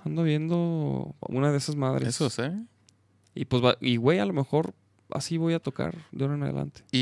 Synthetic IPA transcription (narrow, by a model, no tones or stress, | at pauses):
and̪oβje̞nd̪o̞ṵnaðe̞esazmaðɾʔeesose | ḭpwe̞zβaiɣwe̞jalo̞me̞xo̞ɾ | a̰siβo̞jat̪o̞ka̰ɾd̪onenað̞ḛla̰nt̪e̥i